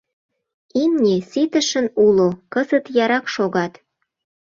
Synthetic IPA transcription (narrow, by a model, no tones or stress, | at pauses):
imnʲisit̪ə̆ʃənulokəzət̪jɑɾɑkʃoɣɑt̪